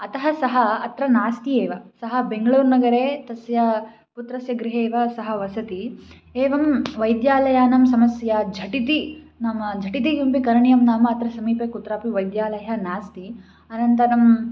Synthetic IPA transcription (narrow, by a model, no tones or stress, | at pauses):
ɐt̪ɐɦɐsɐɦɐːt̪ɾɐnaːst̪ieːʋɐsɐɦɐbeŋɡɐɭuːɾnɐɡɐɾeːt̪ɐsjɐ | put̪ɾɐsjɐɡɾiɦeːʋɐsɐɦɐʋɐsɐt̪i | eːʋɐmʋɐjd̪jaːlɐjaːnɐmsɐmɐsjɐd͡ʒʱɐʈit̪inɐmɐd͡ʒʱɐʈit̪ijumpikɐɾɐɳijɐmnaːmɐːt̪ɾɐsɐmiːpeːkut̪ɾaːpiʋɐjd̪jaːlɐjɐnaːst̪i | ɐnɐnt̪ɐɾɐm